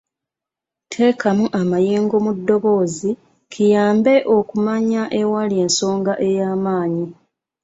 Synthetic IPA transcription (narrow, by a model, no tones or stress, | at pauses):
tʰe̞ːkamuʔamajiːŋɡo̞mudːo̞βo̞ːzi | kʰijaːmbe̞ʔo̞kumaɲaʔe̞walie̞ːnso̞ːŋɡaʔe̞jaːmaːɲi